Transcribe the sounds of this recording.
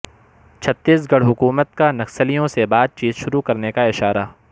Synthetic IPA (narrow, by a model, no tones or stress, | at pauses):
t͡ʃʰɐt̪ːiːsɡɐɽɦʊkuːmət̪kanɐksəlijõsebaːd̪̚t͡ʃiːzʃʊɾukɐɾnekaɪʃaːɾaː